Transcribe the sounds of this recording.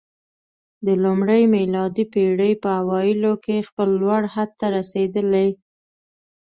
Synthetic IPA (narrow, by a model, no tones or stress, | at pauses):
d̪əlumɽəjmɪlɑd̪ipeɽəjpəawɑjɪlokexpəlːwaɽhad̪̚t̪aɾased̪əle